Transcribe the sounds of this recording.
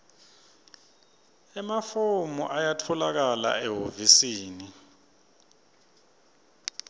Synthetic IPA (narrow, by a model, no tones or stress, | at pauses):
ɛmafomuʔajatʰɔlak̬ala̰ɛɦovisiːni